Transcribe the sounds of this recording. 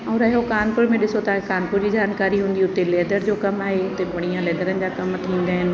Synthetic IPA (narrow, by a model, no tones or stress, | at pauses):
ɔːɾɐɦokaːnpʊɾmẽɗɪsot̪ɐʋãkekaːnpʊɾd͡ʑid͡ʑaːnkaːɾiɦũːnd̪iʊt̪elɛːd̪əɾd͡ʑoːkɐmaːɦeʊt̪ebɐɽ̃ijãlɛːd̪əɾənɪ̆d͡ʑaːkɐmt̪ʰĩːnd̪aːɦɪnɪ̆